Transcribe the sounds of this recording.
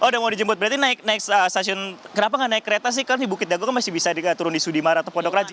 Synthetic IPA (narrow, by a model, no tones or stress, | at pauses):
ʔodamadid͡ʒəmbʊt̪̚bəɾat̪inaɪk̚naɪksəst̪asiɔnkənapaŋaʔnaɪkːəɾet̪as̬ɪhkarnibukɪt̪̚daɡɔkanmasɪhbisadiət̪uɾʊndisudimaɾat̪awpodɔkrad͡ʒ